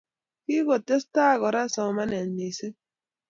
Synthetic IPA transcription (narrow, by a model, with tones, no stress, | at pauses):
ki˦ɣo˨te˦sta˦˨ɣɔ˨ɾa˦sɔ˨ma˦nɛ˨nːe˨se˦